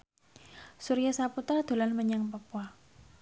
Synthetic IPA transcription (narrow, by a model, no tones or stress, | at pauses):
suɾijasaput̪ɾad̪̥olanməɲaŋpapua